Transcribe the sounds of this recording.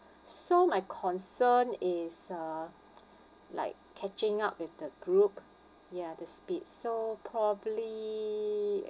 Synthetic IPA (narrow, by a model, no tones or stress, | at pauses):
somaɪkʰɔ̃nsənɪsʌ | la̰ɪkʰːɛt͡ʃɪ̃ŋap̚wɪfdəɡɹup̚ | jadəspit̚sopʰɹɔbəbəli